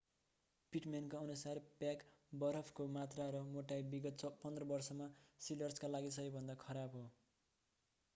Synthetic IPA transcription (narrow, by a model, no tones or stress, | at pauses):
piʈmankoʌnusarpjakbʌɾʌpʰkomat̪raɾʌmoʈajbiɡʌt̪t͡sʌpʌnd̪rʌbʌrsʌmasilʌrskalaɡisʌibʱʌnd̪akʰʌɾabɦo